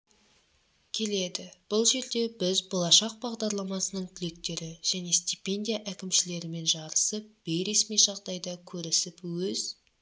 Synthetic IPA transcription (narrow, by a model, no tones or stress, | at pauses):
kʲʰe̞le̞d̪ɪb̥ʊlˠʒe̞ɾd̪e̞bɪzbolˠɑʃɑq̚bɑʁd̪ɑɾlˠɑmɑsənəɴt̪ʲʰʏle̞k̚t̪e̞ɾɪʒ̥æne̞st̪ʲipʲe̞nd̪ʲijaʔækʲɪmʃɪle̞ɾɪme̞nʒɑɾəsəp̚b̥ejɾe̞smijʒɑʁd̪ɑjd̪ɑkʲʰɵɾɪsɪpwɵz